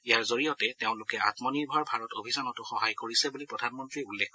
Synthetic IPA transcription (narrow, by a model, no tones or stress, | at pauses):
ijaɹzoɹijɔtɛteʊ̃lʊkɛatmɔniɹbʱaɹbʱaɹɔtobʱisanɔtʊxɔhajkoɹisɛbulipɹɔdʱanmɔntɹiulːɛkkɔ